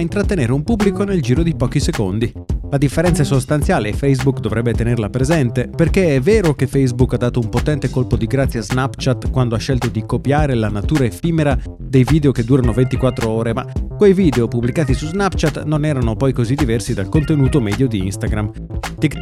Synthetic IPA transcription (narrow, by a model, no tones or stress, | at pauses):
int̪ɾat̪ːeneːɾeumpubːlikoneld͡ʒiːɾod̪ipɔːkisekond̪i | lad̪ifːeɾɛnsasost̪ant̪sjaːleːfejzbukd̪ovɾɛbːet̪enerlapɾezɛnt̪eperk̟eɛvːeːɾokefejzbukːad̪ːaːt̪oumpot̪ɛnt̪ekolpod̪iɡɾat̪sːjaznapt͡ʃat̪kwand̪oaʃːɛlt̪od̪ikopjaːɾelanat̪uːɾaefiːmeɾa | d̪ejviːd̪eoked̪ːuːɾanovent̪ikwat̪ːɾooːɾemakːwejviːd̪eopubːlikaːt̪isuznapt͡ʃat̪nonɛːɾanopɔjkozid̪ivɛrsid̪alkont̪enuːt̪omɛd̪jod̪iḭnst̪aɡɾam | t̪ik